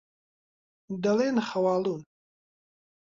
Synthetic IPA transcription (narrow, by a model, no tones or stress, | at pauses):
d̪ɐleːnxɐwaːlun